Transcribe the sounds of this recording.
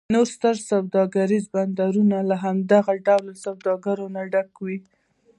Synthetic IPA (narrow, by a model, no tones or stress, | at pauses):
noɾst̪əɾsawd̪ɑɡaɾizband̪aɾunalaɦamd̪aɣaɖawlsawd̪ɑɡaɾonaɖakwi